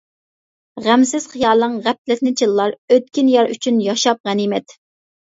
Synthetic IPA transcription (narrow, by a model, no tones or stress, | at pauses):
ʁæmsɪz̥χijɑːlˠəŋʁæp̚lɪt̪nɪt͡ʃʰilˠːɑɾøt̪̚kʲinjɑɾy̰t͡ʃʰynjɑʃɑp̚ʁænimɛt̪